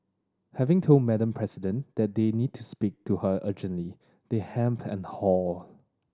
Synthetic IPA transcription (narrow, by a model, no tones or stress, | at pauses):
hɛvɪ̃ŋtʰolˠd̚mɛdə̃mpʰɹɛsidə̃nd̥ɛt̚d̪enid̚tʰuspik̚tʰuhəʔəd͡ʒə̃ntli | d̪̥ehɛ̃mpʰɛ̰̃nhɔl